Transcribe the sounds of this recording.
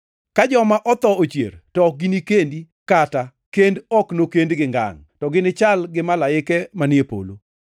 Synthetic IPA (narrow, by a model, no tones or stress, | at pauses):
kad͡ʒɔmaʔɔt̪ɔot͡ʃjḛrtɔɡɪnikendi | kata | kendɔknokendɡɪŋɡa̰ŋtɔɡɪnɪt͡ʃalɡɪmalaɪkɛmanɪepo̰lo̰